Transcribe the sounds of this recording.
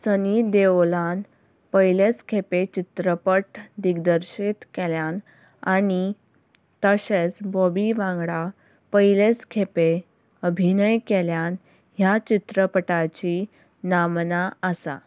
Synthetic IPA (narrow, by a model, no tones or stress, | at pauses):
sənid̪eʋolan | pəjlet͡skʰepet͡ɕit̪ɾəpəʈd̪iɡd̪əɾɕit̪keljan | añi | t̪əɕet͡sbobiʋãŋɡɽa | pəjilet͡skʰepe | əbʱinəjkeljan | ɦjat͡ɕit̪ɾəpəʈat͡ɕi | namnaəsa̰